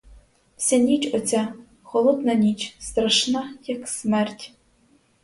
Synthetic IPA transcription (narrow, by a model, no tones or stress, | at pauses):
wsʲɛnʲit͡ʃɔt͡sʲa | xɔlˠɔd̪nɐnʲit͡ʃst̪ɾɐʃnajaksmɛrtʲ